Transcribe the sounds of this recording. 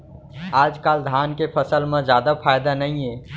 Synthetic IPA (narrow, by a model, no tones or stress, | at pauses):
aːd͡ʒkaːld̪ʱaːnkepʰəsəlmẽd͡ʒjaːd̪apʰaːjd̪anəĩe